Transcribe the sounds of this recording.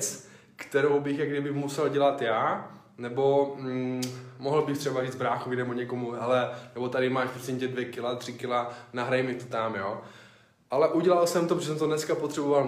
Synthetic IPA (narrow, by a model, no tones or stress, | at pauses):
t͡s | kt̪ɛɾowbɪxjaɡdɪbɪxmusɛlɟɛlat̪jaː | nɛbo̞ | moɦl̩bɪxt̪r̥ɛbariːd͡zbɾaːxovɪnɛboɲɛkomuɦɛlɛnɛbot̪adɪmaːʃpɾosɪɲcɛdvjɛkɪlat̪r̝̥ɪkɪlanaɦɾajmɪt̪ot̪amjoː | ʔalɛʔuɟɛlalsɛmt̪opʒɛsɛmt̪onɛskapot̪r̥ɛboval